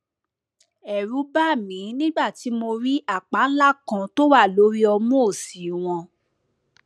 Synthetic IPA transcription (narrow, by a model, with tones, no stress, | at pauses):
ɛ˨ɾu˨˦ba˦˨mĩ˨˦nĩ˦ɡ͡ba˦˨ti˨˦mo˧ɾi˦ʔa˦˨k͡pa˨˦n̩˦la˦kã˧to˦wa˦˨lo˨˦ɾi˦ɔ˧mũ˦o˦˨si˨˦w̃ɔ̃˧